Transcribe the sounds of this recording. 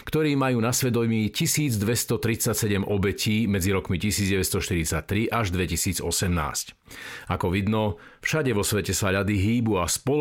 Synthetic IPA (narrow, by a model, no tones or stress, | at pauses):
kt̪ɔɾiːmajuːnasʋɛd̪ɔmiːcisiːd͡zd̪ʋɛst̪ɔt̪ɾit͡sacsɛɟɛmʔɔbɛcʰiːmɛd͡ziɾɔkmicisiːd͡zɟɛʋɛst̪ɔʃt̪iɾit͡sac̚t̪ɾiʔaʒd̪ʋɛcisiːd͡zɔ̰sɛmna̰ːsc | akɔʋid̪nɔ | fʃaɟɛʋɔsʋɛcɛsaʎad̪iɦiːbuaspɔ